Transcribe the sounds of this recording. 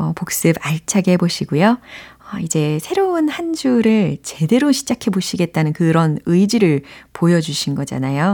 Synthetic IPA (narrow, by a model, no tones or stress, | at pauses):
ʌpok̚s͈ɯbaɭt͡ɕʰaɡɦeboɕʰiɡujoʌid͡ʑe̞sʰe̞ɾoɯnhand͡ʑuɾɯɭt͡ɕe̞de̞ɾoɕʰid͡ʑakʰe̞boɕʰiɡe̞t̚t͈anɯnkɯɾʌnɯid͡ʑiɾɯɭpojʌd͡ʑuɕʰinɡʌd͡ʑa̰najo